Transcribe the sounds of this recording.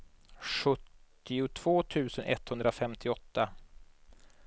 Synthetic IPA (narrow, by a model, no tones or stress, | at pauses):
ɧɵt̪ː | ɪʊt̪ʰv̥oːt̪ʰʉ̟ːsənʔɛ̰t̪ːhɵnd̪ɾafɛmt̪ʰɪɔt̪ːa